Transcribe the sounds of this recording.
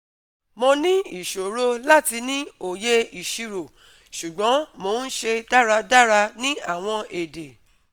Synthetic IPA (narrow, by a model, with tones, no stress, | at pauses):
mõ˧nĩ˦i˦˨ʃo˨ɾo˦la˦˨ti˧nĩ˦o˨je˦i˨ʃi˧ɾo˨ | ʃu˨ɡ͡bɔ̃˨˦mo˧˦n̩˦ʃe˧da˦ɾa˧da˦˨ɾa˧nĩ˦a˦˨w̃ɔ̃˧e˨de˨